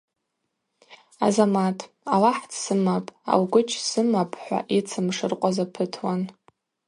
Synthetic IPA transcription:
azamatʰ | alaħt͡sʰsɨmapʼa̰wɡʷʊt͡ʃʰsɨmapʰʼħʷa̰ʔit͡sʰɨmʂɨrqʷʼazapʰɨtʰwan

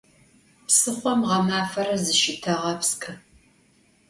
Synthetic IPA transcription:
psɨχʷɔmʁɐmaːfɐɾɐzɨʃɪtʰɐʁɐpskʰʼɨ

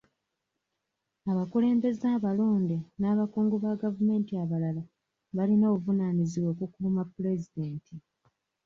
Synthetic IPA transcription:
aβakule̞ːmbe̞zaːβaloːndenaːβakuːŋɡuβaɡavume̞ːntiaβalala | βalino̞ːuvunaniziβwo̞ːkukuːmapːule̞zide̞ːnti

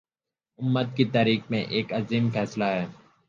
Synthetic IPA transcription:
ʊmːət̪̚kit̪aːɾiːk̚mḛ̃ʔeːkɐziːmfɛːslaɦɛː

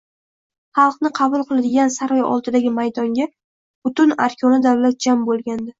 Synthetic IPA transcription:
χɑlˠqnɪqʰɑbʊlˠqɨlˠad̪ɪɡʲansaɾɒjɒ̰lˠt̪ʰɪd̪aɡʲɪmajd̪ɒŋɡʲa | b̥ʊt̪ʊna̰ɾkʲʰɒnɪd̪awlat̪̚d͡ʒambolˠɡʲand̪ɪ

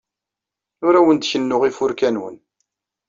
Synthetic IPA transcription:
ʊɾæwənd̪çənːʊʁifʊɾkænwə̰n

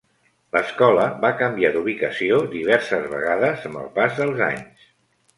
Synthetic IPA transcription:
ləskɔləβakəmbiad̪uβ̞ikəsiod̪iβ̞ɛɾsəzβə̰ɣaðəzəmbə̰lˠpazðəlˠza̰ɲs

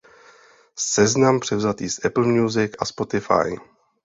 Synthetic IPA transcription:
sɛznampr̥ɛvzat̪iːsʔɛpl̩mɲuzɪkʔaspo̞t̪ɪfa̰j

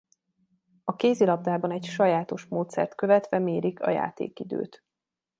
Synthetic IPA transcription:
ɒkeːzilɒb̚d̪aːbɒnɛɟʃɒjaːt̪o̞ʃmoːt̪sɛ̰rt̪køvɛt̪ʋɛmeːɾikɒ̰ja̰ːt̪ḛːkid̪ø̰ːt̪

